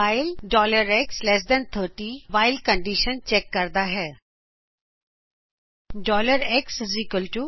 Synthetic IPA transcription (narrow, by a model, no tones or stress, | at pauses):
aːɪlɖɔːləɾɛkslɛs̬d̪ɛ̃nt̪ʰəːɾʈiʋaːɪlkə̃ɳɖiːʃənt͡ʃɛːkːɐɾd̪aɦɛː | ɖɔːləɾɛksɪzikəlʈu